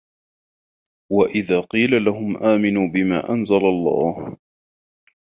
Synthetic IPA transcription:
waʔɪðaːqiːlalaɦʊmʔaːmɪnuːbɪma̰ːʔanzalalˤːɑ̰ːh

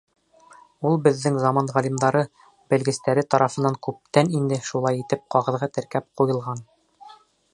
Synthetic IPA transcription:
ulˠbɘ̆ðːɘŋzɑmɑnʁælʲimd̪ɑɾɤ | bæ̆lɡɘ̆st̪æɾɘt̪ɑɾʔɑfɤ̆nːɑŋkʉp̚t̪ænind̪ɘʃulˠɑjit̪ɘp̚qɑʁɤ̆ðʁɑt̪ɘ̆ɾkæp̚qujɤ̆lˠʁɑn

